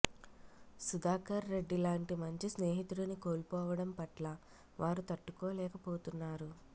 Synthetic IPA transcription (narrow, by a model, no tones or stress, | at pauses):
sud̪aːkɐɾːe̞ɖːilaːɳʈimɐɲt͡ʃisneːɦit̪uɽɐnikoːlpɔːʋɐɽɐmpɐʈlɐ | ʋʔaːɾut̪ɐʈːukoːlɛːkɐpoːt̪unːaːɾu